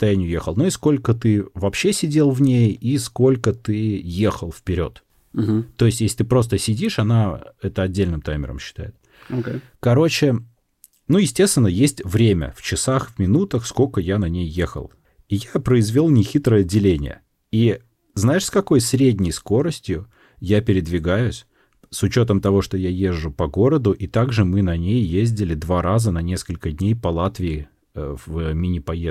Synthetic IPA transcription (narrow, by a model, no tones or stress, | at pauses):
t̪ɐjænʲɪjʊjḛxəlˠnoisko̞lʲkət̪ɨvɐpɕːe̞sʲɪdʲe̞lˠvnʲejisko̞lʲkət̪ɨje̞xəlˠfpʲɪɾʲo̞̰t̪̩ | t̪ːo̞jɪsʲtʲjesʲlʲɪt̪ɨpɾo̞st̪əsʲɪdʲiʂɐnaɛt̪əɐdʲːelʲnɨmt̪ajmʲɪ̰ɾə̰mɕːɪ̥t̪a̰jɪt̪̚ | okʲe | kɐɾo̞t͡ɕɪ | nujɪsʲtʲest̪vʲɪnːəjesʲtʲvɾʲemʲə̰ft͡ɕɪsaxvmʲɪnut̪əxsko̞lʲkəjanɐnʲejːexə̰lˠ | ijapɾəɪzvʲolˠnʲɪxʲit̪ɾəjəɐdʲːɪlʲenʲɪ̰jə̰ | i | znaɪʂskɐko̞jsɾʲedʲnʲɪjsko̞ɾəsʲtʲjʊ | japʲɪɾʲɪd̪vʲɪɡajʊsʲ | sʊt͡ɕo̞t̪əmt̪ɐvo̞ʂt̪o̞jajeʐːʊpɐɡo̞ɾəd̪ʊʔit̪aɡʐɨmɨnɐnʲejjezʲdʲɪlʲɪd̪vaɾazənɐnʲe̞skəlʲkədʲnʲejpɐlˠat̪vʲɪɪ | vəmʲɪnʲɪpɐje